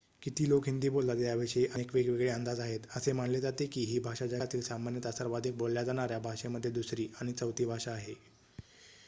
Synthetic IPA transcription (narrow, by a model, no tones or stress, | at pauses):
kit̪iːlokɦind̪iːbolːat̪jaʋiʂəiʔənekʋeɡʋeɡɭeənd̪ad͡zaɦet̪əsem̤aɳled͡zat̪ekiːɦiːbʱaʂad͡ʑat̪iːlsamanjət̪əsəɾʋad̪ʱik̚bolljad͡zaɽ̃aɾjabʱaʂeməd̪ʱːjed̪usɾiːaɽ̃it͡səwt̪iːbʱaʂaːɦe